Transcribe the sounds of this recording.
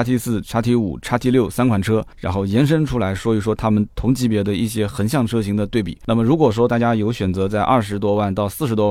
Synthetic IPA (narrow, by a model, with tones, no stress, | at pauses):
a˥t̪ʰi˧˥sɹ̩˥˩ʈ͡ʂʰa˥t̪ʰi˧˥ṵ˨˩ʈ͡ʂʰa˥t̪ʰi˥˧ljo˥˩ʊsa˥nkʰwa˨˩nʈ͡ʂʰɤ˥ɻa˧˥nxo˥˩ʊjɛ˧˥nʂ̬ə˥nʈ͡ʂʰu˥la˧˥ɪʂwɔ˥y˧˥ʂwɔ˥t̪ʰa˥mə˨nt̪ʰʊ˧˥ŋt͡ɕʰi˧˥pjɛ˧˥d̪ə˧i˥˩ɕjɛ˥xə˧˥nɕ̬jɑ˥˩ŋʈ͡ʂʰɤ˥ɕi˧˥ŋd̪ə˧t̪we˥˩ɪpḭ˨˩˦na˥˩mə˩ɻu˧˥kwɔ˨˩ʂ̬wɔ˥t̪a˥˩t͡ɕja˥jo˧˥ʊɕɥɛ˨˩nt͡sɤ˧˥t͡sa˥˧ɪʔɐ̰˥˩ʂɻ̩˧˥t̪wɔ˥wa˥˧nt̪ɑ˥˧ʊsɹ̩˥˩ʂɻt̪wɔ˥w